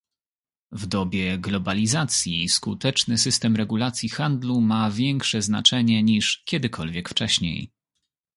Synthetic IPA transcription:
vd̪ɔbʲjɛɡlɔbalʲizat̪sʲjiskut̪ɛt͡ʂnɘsɘst̪ɛmɾɛɡulat̪sʲjixand̪lumavʲjɛŋkʂɛzna̰t͡ʂɛɲɛɲiʂkʲjɛd̪ɘkʰɔlvʲjɛkft͡ʂɛɕɲḛj

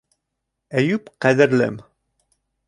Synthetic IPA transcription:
æjʉpqæðɘ̆ɾlɘ̰m

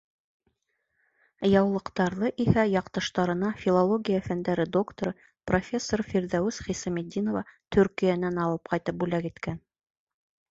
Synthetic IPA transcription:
jɑwlˠɤ̆qt̪ɑɾðˠɤʔihæjɑqt̪ɤ̆ʃt̪ɑɾɤ̆nɑfʲilˠolˠoɡʲijafænd̪æɾɘd̪o̞kt̪oɾɤ | profʲe̞sːorfiɾðæwɘsχisɑmʲid̪ʲːinovɑt̪ɵ̆ɾkijænænɑlˠɤp̚qɑjt̪ɤp̚bʉlækit̪kæn

